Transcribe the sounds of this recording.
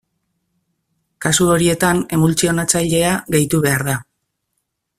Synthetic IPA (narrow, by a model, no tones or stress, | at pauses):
kasuo̞ɾie̞t̪ane̞βult͡sio̞nat͡sajʎe̞aɣe̞jt̪uβe̞aɾða